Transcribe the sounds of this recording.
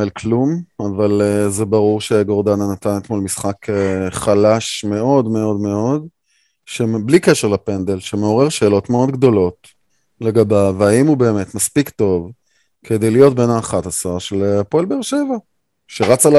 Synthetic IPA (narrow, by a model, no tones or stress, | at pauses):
elklumavalezebaʁuʁʃe̞ɡo̞ʁdananat̪anet̪mo̞lmisχakeχalaʃme̞o̞dme̞o̞dme̞o̞d | ʃeblikeʃeʁlapend̪e̞lʃeme̞o̞ʁe̞ʁʃe̞ːlo̞tmeo̞d̪ɡd̪o̞lo̞t | leɡabevaimube̞ːmet̪maspikto̞v | kʰed̪e̞jlijo̞t̚be̞naːχatasaaʃelepolbeʁʃeva | ʃeʁat͡sal